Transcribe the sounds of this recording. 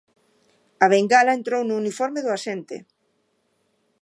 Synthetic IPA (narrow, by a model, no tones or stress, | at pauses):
aβ̞eŋɡalaent̪ɾownʊːnifɔɾmeðʊasent̪ɪ̰